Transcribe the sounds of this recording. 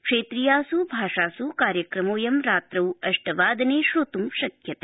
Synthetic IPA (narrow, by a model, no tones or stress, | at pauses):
kʂeːt̪ɾijaːsubʱaːʂaːsukaːɾjɐkɾɐmoːjɐmɾaːt̪ɾɐwɐʂʈɐʋaːd̪ɐneːʃɾut̪umʃɐkʰjɐt̪e̥